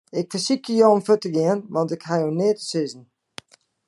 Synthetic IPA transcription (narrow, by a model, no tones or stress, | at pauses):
ɛkfəsikəjoomfətəɡiənvɑntɛkhajoneːtə̥sɪzən